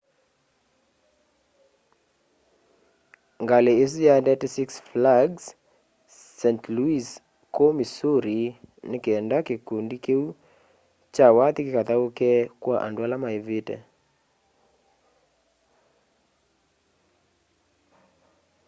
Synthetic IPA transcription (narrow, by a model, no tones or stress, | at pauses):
ŋɡalees̬jandɛtisiksflaɡsː | ɛntluis | komisuɾinekeɛndakekundikeu | t͡ʃawat̪ikɪkat̪aokɛkwaʔa̰ndoalamaevitɛ̰